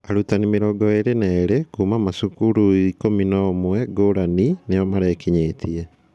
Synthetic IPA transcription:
aɾutanimeɾɔːɡɔeɾenaːɾekuːmamasukuɾuikominɔːmwɛɡoɾaninejɔmaɾɛːkiɲeːtʰiɛ

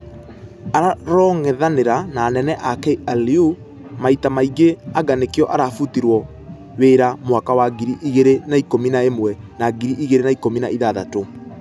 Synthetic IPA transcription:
aɾaɾɔŋɛðaneɾanaːnɛnɛʔakɛaliu | maitamaiɡeaɡanekiɔʔaɾafutiɾwɔ | weːɾamwakawaɡiɾiʔiɣeɾenaikominaemwɛnaɡiɾiʔiɣeɾenaikominaiðaða̰to

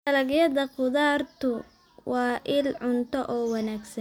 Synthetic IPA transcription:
dɐlɐɡjɐðɐqʊðaːrt̪ʰʊ | wɑːʔɪlʕʊnt̪ʰɔʔɔːwɑnaːɡsɐn

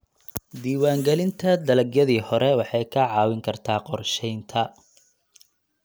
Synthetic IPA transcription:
d̪iːwaːŋɡɛlɪnt̪ʰɐd̪ɐlɐɡjɐðiːhɔɾɛwɑħɑjkʰɐʕɑːwɪŋkʰɐrt̪ʰaːqɔrʃɛjnt̪ʰɐ

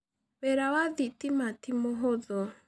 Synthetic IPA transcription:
βɛɾawaðitimatimɔɦɔðɔ

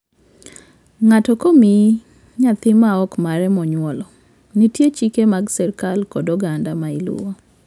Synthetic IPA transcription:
ŋatɔkomi | ɲat̪ɪmaɔkmaɾɛmɔɲwɔlɔ | nitjet͡ʃikemaɡsɛrkalkɔdɔɡandamailṵɔ

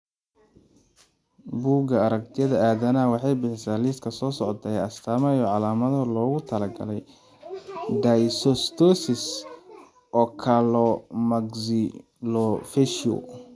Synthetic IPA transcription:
buːɡɐɐɾɐk̚t̪ʰɪjɐðɐaːðɐnɐwɑħɑjbɪħɪsaːliːskʰɐsɔːsɔʕt̪ʰɐjɐst̪ʰaːmɛjɔʕɑlaːmɐðɔlɔːɣʊt̪ʰɐlɐɡɐ̰lɛj | d̪ajsɔst̪ʰɔsɪs | ʔɔːkʰalɔmɐɡzɪ | lɔfɛʃɔ̰

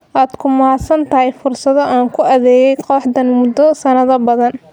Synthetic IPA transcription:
ʔaːd̪̥kʰʊmaːsɐnt̪ʰɐɦɛjfʊrsɐðɔʔaːŋkʰʊʔɐðɛːjɛjqɔːħd̪ɐnmʊd̪ɔsɐnɐðɐbɐðɐn

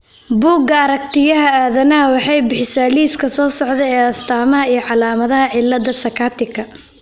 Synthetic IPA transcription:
buːɡɐɐɾɐk̚t̪ʰɪjɐɦɐaːðɐnɐɐwɑħɑjbɪħɪsaːliːskʰɐsɔːsɔʕðɛɛːɐst̪ʰaːmɐɦɐijɞʕɑlaːmɐðɐɦɐʕɪlːɐd̪ɐsɐkʰaːt̪ʰɪkʰɐ

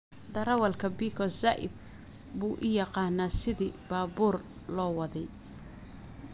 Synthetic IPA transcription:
d̪ɐɾɐwɐlkʰɐbiːkʰɔsaʔɪ̰d̪̚ | buːʔɪjɑqɑːnaːsɪðiːbaːbuːr | lɔːwɑðɛj

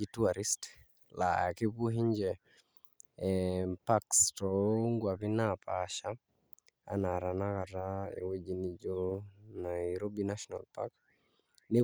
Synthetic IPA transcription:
ituaɾist | la̰a̰kɪpuɦiɲd͡ʒɛ | pakstɔŋɡwapinapʰaʃa | a̰naɾanakataḛwed͡ʒinid͡ʒonaiɾobinaʃɔna̰lpa̰k | ne

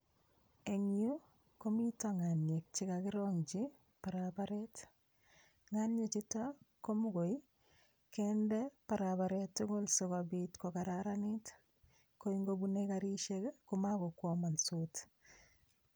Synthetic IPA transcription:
eŋju | komitaŋanjek̚t͡ʃikakɪɾɔŋt͡ʃi | paɾapaɾɛt | ŋanjet͡ʃitakomukoj | kɛndɛpaɾaβaɾɛtːʊɡʊlsokabitkɔkaɾaɾanit | koiŋɡobunekaɾiʃekkumakokwɔmansut

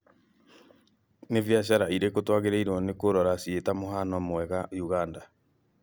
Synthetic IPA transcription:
nevjaɕ̬aɾaiɾekotwaɣeɾaiɾɔnekoɾɔɾasietamoɦanɔmwɛɣajuɣanda

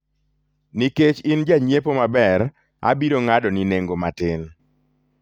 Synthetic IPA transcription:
niket͡ʃɪnd͡ʒaɲepomabɛɾ | a̰biɾoŋadɔnineŋɡomatɪn

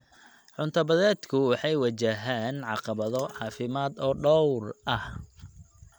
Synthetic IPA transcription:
ħʊnt̪ʰɐbɐðɛːd̪kʰʊwɑħɑjwɑt͡ʃɐɦaːnʕɑqɑβɐðɔʕɑːfɪmaːd̪ɔːɖɔwrʔɐh

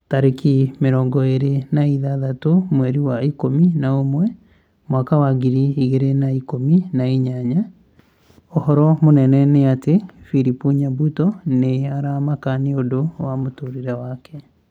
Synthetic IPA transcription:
taɾekimeɾɔŋɡɔeɾenaiðaðatomwɛɾiwaikominaomwɛ | mwakawaɡiɾiiɣeɾenaikominaiɲaɲa | ohɔɾɔmonɛnɛneatefiɾipuɲabutɔneaɾamakaneodowamotoɾiɾɛwakɛ

